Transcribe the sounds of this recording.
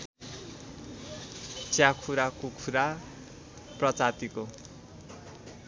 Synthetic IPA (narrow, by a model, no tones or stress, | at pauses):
t͡sjakʰuɾakokʰuɾa | prʌt͡sat̪iko